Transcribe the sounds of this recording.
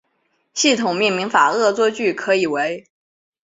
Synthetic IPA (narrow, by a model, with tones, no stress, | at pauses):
ɕi˥˩t̪ʰʊ˨˩ŋmi˥˩nmi˧˥ŋfa˨˩ɤ˥˧t͡swɔ˥t͡ɕy˥˩kʰɤ˧˥i˨˩we˧˥ɪ